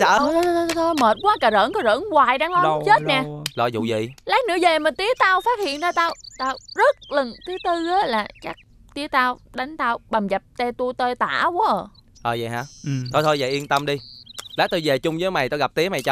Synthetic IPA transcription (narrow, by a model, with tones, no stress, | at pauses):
a̰ː˧˨˦t̪ʰo˧jməː˨˩t̚kwaː˨˦kaː˨˩zə̰ː˧˥nkɔ˧˨˦zə̰ː˧˨˥nɣwaː˨˩jɗaː˧ŋlɔ˨˦t͡ɕe˦˥t̚nɛ˨˩lɔ˧˩jzṵ˧˨zḭ˧˨laː˨˦˥nɨ̰˧˥əze˨˩mə̈˨˩nt̪i˧˦ət̪aː˧wfaː˦˥t̚hḭ˧˨ənt̪aː˧t̪aː˧wt̪aː˧wzə˦˥t̚lə˨˩ŋt̪ʰɨ˨˦t̪ɨ˧əː˨˦laː˨˩t͡ɕa˦˥k̚ | t̪i˧˦ət̪aː˧wɗa˨˦jŋ̟t̪aː˧wɓa˨˩mza˨˩p̚t̪e˧t̪u˧ət̪əː˧t̪a̰ː˧˩u˧˦ʔəː˨˩ | ʔəː˨˩zə̰˨ɦa̰ː˨˧˦t̪ʰo˧jt̪ʰo˧jzə̰˨jʔi˧ənt̪ə˧mɗi˧laː˨˦˥t̪o˧jze˨˩t͡ɕʊ˧ŋ͡mzəː˨˦jma˨˩jt̪aː˧wɣa˨˩p̚t̪i˨˦əma˨˩jt͡ɕa˧w